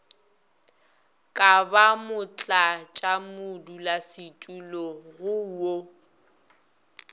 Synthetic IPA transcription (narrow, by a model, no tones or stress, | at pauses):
kʼabamʊt͡ɬʼat͡ʃʼamʊdulasɪtʼulɔɣʊwo